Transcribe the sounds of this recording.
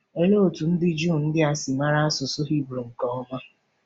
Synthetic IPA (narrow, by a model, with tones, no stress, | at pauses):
e˨le˦o˨tu˨n̩˦dɪ˦d͡ʒu˦˨n̩˦dɪ˦a˦˨sɪ˨ma˦ɾa˦a˦sʊ˨sʊ˦ɦi˦bɾo˨ŋ̩˨kɔ˦ɔ˦ma˦